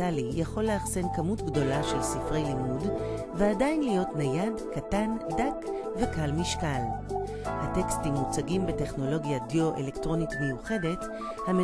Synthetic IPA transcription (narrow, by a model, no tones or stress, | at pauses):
alijaχo̞lːeaχze̞nkamutɡdo̞laʃe̞lsifʁe̞jlimud | veadajinlijo̞tnajadkatandak | ve̞kalmiʃkal | hatekstimːut͡saɡimbete̞χno̞lo̞ɡjadjoʔḛle̞ktʁo̞nitme̞juχe̞de̞t | hame